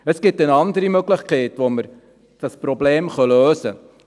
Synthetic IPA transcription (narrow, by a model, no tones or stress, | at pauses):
əsɡ̥ɪtənɑndəɾimøɡlɪχkɛɪtʋoməɾ | d̥ɑsprobleːmχœløːsə